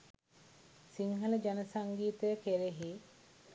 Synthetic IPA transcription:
siŋɦələd͡ʒanəsaŋɡiːt̪əjəkeɾeɦi

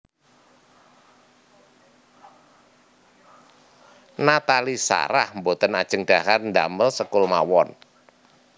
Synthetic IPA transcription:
nat̪alisa̰ɾahmbot̪ənad̥ʒ̥ə̤ŋɖ̥aɦarnd̪aməlsəkʊlma̰wɔn

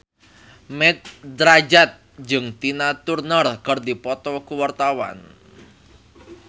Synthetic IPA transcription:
mɛt̪̚d̪ɾad͡ʒat̪̚ | d͡ʒɨŋt̪inat̪urnərkərd̪ipɔt̪ɔkuwart̪awa̰n

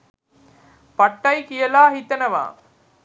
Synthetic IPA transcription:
pɐʈːɐɪkɪjɐlaːɦit̪ːɐnɐʋã̰ː

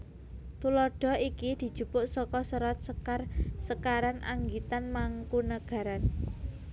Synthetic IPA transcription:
t̪ulɔɖ̥ɔ̤ikid̪̥i̤̥ʒ̥ṳpʊʔsɔkɔsəɾɔt̪̚səkarsəkaɾanʔa̰ŋɡit̪anmaŋkunəɡ̥ä̤ɾan

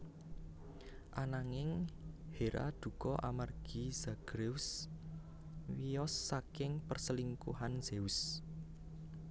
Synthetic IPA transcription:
ʔanaŋɪŋheɾa̰d̪̥ṳkɔʔamarɡ̥iz̥aɡ̥ɾes | wiɔsːakɪŋpərsəliŋkṵɦanz̥eus

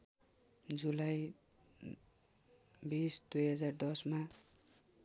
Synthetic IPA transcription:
d͡zulaj | bisd̪ujɦʌd͡zard̪ʌsma

